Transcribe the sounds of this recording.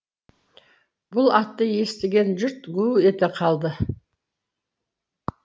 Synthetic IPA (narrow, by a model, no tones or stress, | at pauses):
b̥ʊlˠɑt̪ːəje̞st̪ɪɡʲe̞nʒʏɾt̪ɡue̞t̪ɪqʰɑlˠd̪ə